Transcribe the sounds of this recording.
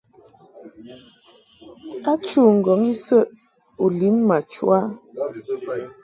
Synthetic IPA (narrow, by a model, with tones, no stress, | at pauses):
a˦t͡ʃu˦˨ŋ̩˨ɡɔ˨˦ŋi˦sə˦ʔ | u˨li˨˦nma˨t͡ʃwa˦